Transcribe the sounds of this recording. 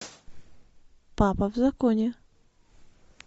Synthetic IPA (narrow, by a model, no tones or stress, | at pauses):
papɐvzɐkonʲe